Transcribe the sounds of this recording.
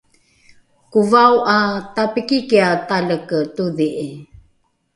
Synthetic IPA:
kuvauʔatapikikiataləktuðiʔi

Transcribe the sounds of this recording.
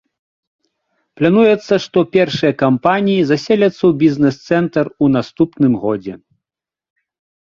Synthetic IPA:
plʲanujɛt̪sːɐʂt̪ɔpʲɛrʂɨjɐkampanʲijizasʲelʲɐt̪sːɐwbʲiznɛst̪sɛnt̪ɐrun̪ast̪upnɨmɣɔd͡zʲɛ̰

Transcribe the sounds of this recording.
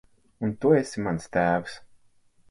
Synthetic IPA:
unt̪uesʲimanst̪æːvs

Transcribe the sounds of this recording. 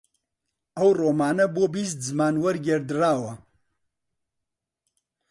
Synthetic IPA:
awroːmaːnɐbobis̬t̪zmaːnwəɾɡʲeɾd̪ɾaːwa

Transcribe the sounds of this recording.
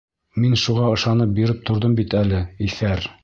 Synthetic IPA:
minʃuʁɑɤ̆ʃɑnɤp̚biɾɘp̚t̪ʰŏɾðɤmbit̪ælɘifæɾ

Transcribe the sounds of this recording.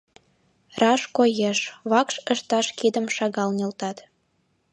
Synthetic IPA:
rɑʃkojeʃβɑkʃəʃt̪ɑʃkid̪ə̆mʃɑɣɑlnʲelt̪ɑt̪

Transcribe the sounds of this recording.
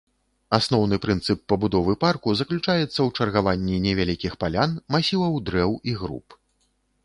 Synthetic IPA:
asnɔwnɨpɾɨnt̪sɨpːɐbud̪ɔvɨparkuzɐklʲut͡ʂajɛt̪sːɐwt͡ʂɐrɣavanʲːinʲɛvʲalʲikʲixpalʲanmasʲilˠɐwd̪ɾɛwiɣɾṵp

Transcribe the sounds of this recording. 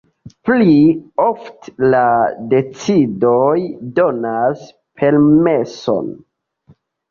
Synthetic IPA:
pliofte̥lade̞t͡sidojdo̞nas | pʰe̞lme̞so̞̰n

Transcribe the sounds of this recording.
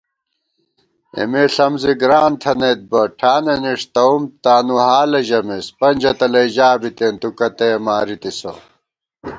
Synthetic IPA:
ḛmeɬɐmziɡɾaːnt̪ʰɐnet̪̚bɐʈʰaːneniʂt̪ɐumt̪aːnuhaːlɐʑɐmespɐnʲd͡ʑɐt̪ɐlɐiʑaːbit̪ent̪ukɐt̪emaːɾit̪iso̰

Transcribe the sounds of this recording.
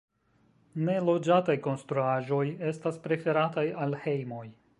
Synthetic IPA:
ne̞lo̞d͡ʒatajko̞nstɾuaʒo̞je̞staspɾe̞fe̞ɾatajalhe̞jmo̞j

